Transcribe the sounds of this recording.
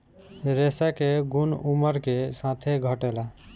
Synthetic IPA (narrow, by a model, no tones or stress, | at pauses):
ɾesakeɡunuməɾkesãt̪ʰeɡʱəʈela